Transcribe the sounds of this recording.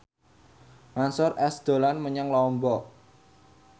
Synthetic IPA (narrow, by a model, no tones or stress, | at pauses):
mansʊɾɛsd̪̥o̤lanməɲaŋlɔmbɔ